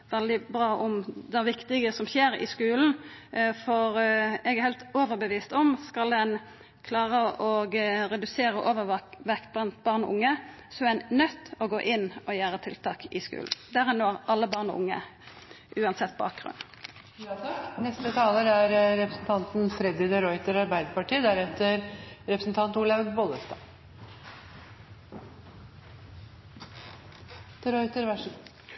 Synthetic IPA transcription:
ʋɛld̪ɪbɾɑːʔɔmd̪æʋɪkt̪ɪɡəsɔmçeːɾɪ̰skʉːln̩fɔɾɛɡæʁɾhɛɪlt̪oːʋəɾbəʋiːst̪ɔmskɑld̪ɛn | kʰlɑːʁəʔɔɡɾɛd̪ʉseːɾəʔoːʋəʋɛkt̪̚blɑnt̪bɑʁnʊ̰ŋːə | sɔænnœt̪ːɔɡoːʔɪnːɔjæːɾət̪ʰɪ̰lt̪ɑːkɪskʉ̰ːln̩d̪æɾɛnːoːɑlːəbɑʁnʊ̰ŋːə̰ | ʔʉːɑnsɛt̪ːbɑ̰ːk̚ɡ̥ʁʉ̰n | nɛst̪ət̪ʰɑːləɾæɾɾɛpɾəsn̩t̪ʰɑnt̪nfɾɛd̪ɪd̪ɛɾɔʏt̪əɾɑɾbæɪd̪əpɑʈiːd̪æɾɛt̪ːəɾɾɛpɾəsnt̪ʰɑnt̪uːlɑʋbɔləst̪ɑ | d̪̥əɾɔʏt̪əɾʋæ

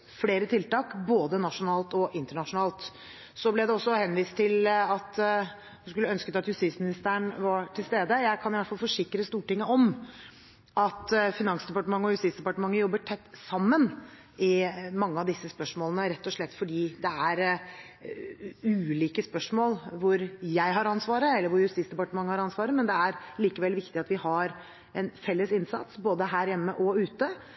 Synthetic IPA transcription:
fleːɾət̪ʰɪlt̪ɑːkboːd̪ənɑʂʊnɑːlt̪ɔʔɪnt̪əɳɑʂʊnɑːlt̪ | sɔblɛd̪ɛɔsːɔhɛnʋiːst̪ʰːɪlɑt̪ | d̪ɛskʉlːəœnskət̪ɑt̪hʉst̪iːsmɪnɪst̪əəɳʋɑʈʰɪlst̪eːd̪əjæɪkʰɑnɪʋæʈfɑlfɔʂɪkɾəst̪uːʈɪŋːəɔm | ʔɑt̪fɪnɑŋsd̪ɛpɑʈəmɑŋːəɔhʉst̪iːsd̪ɛpɑʈəmɑŋːəjɔbːəʈʰɛt̪ːsɑmːən | ɪmɑŋːəɑʋd̪ɪsːəspœʂmoːlənəɾɛt̪ːɔʂɭɛt̪ːfɔɖiːd̪ɛæɾ | ʉːliːkəspœʂmoːlʋʊɾjæɪɦɑɾɑnsʋɑːɾəɛlːəɾʋʊɾjʉst̪iːt̪sd̪ɛpɑʈəmɑŋːəhɑɾɑnsʋɑːɾəmɛnd̪ɛæɾliːkəʋɛlːʋɪkt̪ɪɑt̪ʋɪhɑɾ | ɛnfɛlːəsɪnsɑ̰t̪sboːd̪əɦæːɾjɛmːəʔɔʉːt̪ə

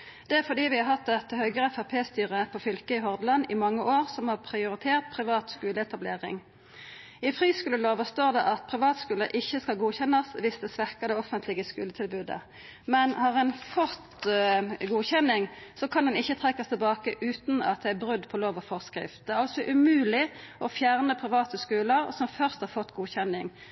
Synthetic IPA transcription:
d̪ɛæɾfɔd̪iːʋɪhɑɾɦɑt̪̚d̪ɛt̪ːəhœʏɡəʁɛfæʁpʰeːst̪yːʁəpʰɔfʏlkəɪɦɔʁd̪lɑnɪmɑŋːəʔoːʁsɔmhɑːʁpʰʁɪʊʁɪt̪ʰeːʁt̪̚pʰʁɪʋɑːt̪skʉːləɛt̪ɑbleːʁɪ̰ŋ | ɪfʁiːskʉːləloːʋəst̪oːʁd̪ɛʔɑt̪̚pʰʁɪʋɑːt̪skʉːləʔɪçːəskɑlɡuːçɛnɑsʋɪsd̪ɛsʋæʁkəd̪ɛɔfənt̪lɪɡəskʉːlət̪ʰɪlbʉːd̪ə̰ | mɛnhɑʁɛnfɔʁt̪ | ɡuːçɛnːɪŋsɔkʰɑnd̪ɛnɪçːət̪ʰʁɛkːɑst̪ʰɛlbɑːkəʔʉːt̪nɑ̰t̪̚d̪ɛæbʁʉd̪ːpʰɔloːʋɑfɔʁskɾɪ̰ft̪̚d̪ɛæʁɑlsɔʔʉmʉːlɪʔɔfjæʁnəpʰʁɪʋɑːt̪əskʉːləʁsɔmfœʁst̪hɑʁfɔt̪ːɡuːçɛnːɪŋ

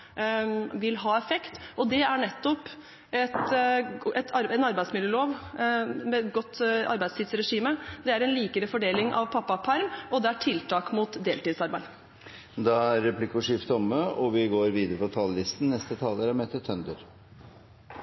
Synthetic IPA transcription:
ʋɪlɦɑːɛfɛkt̪ʔɔd̪ɛæɳɛt̪ːɔp | ɛt̪ | ɛt̪ʰɑɾɛnɑɾbæɪd̪smɪljøːloːʋ | mɛɡɔt̪ːɑ̰ɾbæɪdst̪iːd̪sɾɛʂiːməd̪ɛæɾɛnliːkəɾəfɔɖeːlɪŋʔɑ̰ʋpʰɑpːɑpʰɑɾmɔd̪ɛæʈʰɪlt̪ʰɑːkmʊt̪d̪eːlt̪iːd̪sɑɾbæɪd̪ | d̪ɑæɾːɛplɪkʊʂɪft̪ɔmːəɔʋɪɡoːɾʋiːd̪əɾəpʰɔt̪ʰɑllɪst̪n̩nɛst̪ət̪ʰɑːləɾæmeːt̪ət̪ʰœnd̪əɾ

